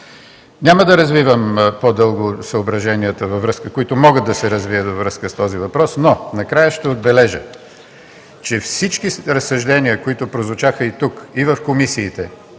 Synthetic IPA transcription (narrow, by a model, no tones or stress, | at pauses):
nʲaməd̪ɐɾɐzvivəmpod̪ɤlˠɡosəobɾɐʒɛniət̪əvɐvɾɤskəkoit̪ʊmɔɡəd̪ɐsɛɾɐzviət̪vɐvɾɤskəst̪ɔzivɐpɾɔsnonɐkɾajəʃt̪ɛod̪bɛlɛʒə | t͡ʃɛfsit͡ʃkiɾɐsːɐʒd̪ɛniəkoit̪ʊpɾozvʊt͡ʃaxəit̪ukivɐfkomisiːt̪ɛ